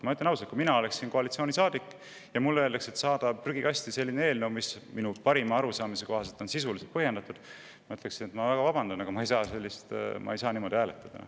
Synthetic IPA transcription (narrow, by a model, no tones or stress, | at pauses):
mɑyt̪lenɑwsɑlt̪kuminɑo̞le̞ksiːnko̞ɑlit̪sioːnisɑːd̪ikːˑ | jɑmulːe̞ːld̪ekse̞t̪sɑːd̪̥ɑpryɡ̥ikɑsʲt̪ise̞lʲːinee̞ːlnewmisminupɑɾimɑɑɾusɑːmise̞ko̞hɑselt̪o̞nsisuliset̪pɤhje̞nd̪ɑt̪ːˑud̪̥ | mɑyt̪leksinet̪mɑvæɡ̥ɑvɑb̥ɑnd̪̥ɑnɑɡ̥ɑmɑejsɑːse̞lʲːist̪mʔɑ̰ejsɑːniːmo̞d̪̥ʲiæːlet̪ːˑɑd̪̥ɑ̰n̰